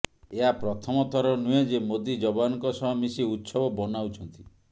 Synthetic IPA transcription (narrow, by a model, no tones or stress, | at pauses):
eɦapɾɔt̪ʰɔmɔt̪ʰɔɾɔnued͡ʒemod̪id͡ʒɔbanɔŋkɔsɔɦɔmisiut̪sɔbɔbɔnawt͡ʃʰɔnt̪i̥